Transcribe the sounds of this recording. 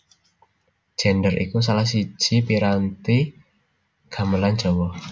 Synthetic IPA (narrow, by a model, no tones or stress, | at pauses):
ʒ̥ɛ̤nɖərʔḭkus̬alahs̬i̥ʒ̥ipiɾant̪i | ɡ̥a̤məlan̥d͡ʒ̥ɔ̤wɔh